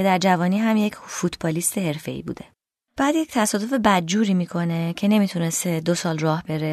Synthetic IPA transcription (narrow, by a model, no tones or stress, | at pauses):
e̞d̪æɾd͡ʒævɒːniːɦæmje̞cʰfut̪ʰbɒːliːst̪ʰe̞ɦe̞ɾfe̞̰ḭːbṵːd̪e̞ | b̥æːd̪ject̪ʰæsɒːd̪o̞fe̞bæd̪̚d͡ʒuːɾiːmiːkʰo̞ne̞cʰe̞ne̞mit̪ʰune̞st̪ed̪osɒːlrɒːhbe̞ɾe